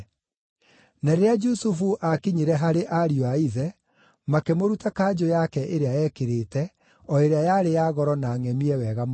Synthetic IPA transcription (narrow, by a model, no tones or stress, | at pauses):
naɾeɾead͡ʒusufuʔakiɲiɾɛɦaɾeʔaɾioaiðɛ | makemoɾutakad͡ʒojakɛʔeɾeajɛkeɾeːtɛ | ɔeɾeajaɾejaɣɔɾɔnaːŋɛmiɛwɛɣam